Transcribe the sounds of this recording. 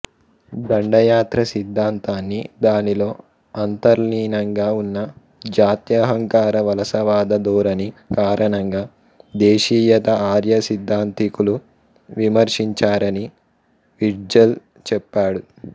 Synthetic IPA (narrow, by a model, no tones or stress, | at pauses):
d̪ɐɳɖɐjaːt̪ɾɐsid̪ʱːaːnt̪aːnːid̪aːnilo̞ː | ɐnt̪ɐɾniːnɐŋɡaːunːɐ | d͡ʒaːt̪jɐɦɐŋkaːɾɐʋɐlɐsɐʋaːd̪ɐd̪uːɾɐnikaːɾʔɐɳɐŋɡaː | d̪eːʃiːjɐt̪ɐaːɾjɐsid̪ʱːaːnt̪ikulu | ʋimɐɾʂiɲt͡ʃaːɾɐni | ʋiɾd͡ʒɐl | t͡ʃɛpːaːɽu